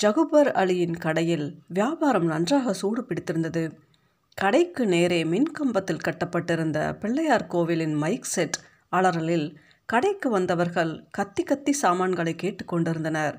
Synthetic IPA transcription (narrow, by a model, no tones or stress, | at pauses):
d͡ʒɐɣɯbɐɾɐ̰ɭɪjɪnkɐɽɐjɪlʋɪjaːbaːɾɐmnɐndraːɣɐsuːɾɯpɪɽɪt̪ːɪɾɯnd̪ɐðɯ | kɐɽɐɪkːɯneːɾeːmɪnkɐmbɐt̪ːɪlkɐʈːɐpːɐʈːɪɾɯnd̪ɐ̰pɪɭːɐjaːɾkoːʋɪlɪnmɐɪksɛʈː | aɭɐɾɐlɪl | kɐɽɐɪkːɯʋɐnd̪ɐʋɐɾɣɐɭkɐt̪ːikɐt̪ːisaːmaːɳɡɐɭɐɪkːeːʈːɯkːɔɳɖɪɾɯnd̪ɐnɐɾ